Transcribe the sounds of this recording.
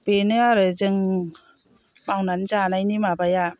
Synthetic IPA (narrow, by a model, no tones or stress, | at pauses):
benɯaɾɯzɯŋ | mawnanzanajnimabaja